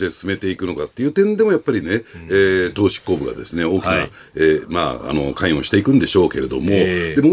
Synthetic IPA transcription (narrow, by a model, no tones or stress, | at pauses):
t̪esɨ̥sɨme̞t̪e̞ikɯ̟no̞kat̪ːe̞iɯ̟ːt̪ẽ̞nd̪e̞mo̞japːaɾʲine̞eːt̪o̞ːɕi̥kːoːbɯ̟ɡa̰d̪e̞̰sɨne̞o̞ːkʲina̰ | eːma̰ːa̰no̞kãĩɰ̃o̞̰ɕi̥t̪e̞ikɯ̟nd̪eɕo̞ːke̞ɾe̞d̪o̞̰mo̞d̪e̞mo